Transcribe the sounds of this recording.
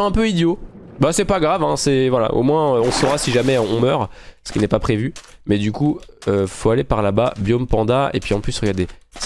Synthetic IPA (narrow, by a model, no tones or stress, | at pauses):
ɛ̃pøid̪jobasɛpaɡʁavɛ̃sɛvwala̰ʔo̰mwɛ̃øɔ̃sɔʁasiʒamɛɔ̰̃mœːʁsə̥kinɛpapχevymɛd̪ykuøfoalepaʁlababjɔmpɑ̃d̪aḛpɥiɑ̃plysʁəɡaʁd̪es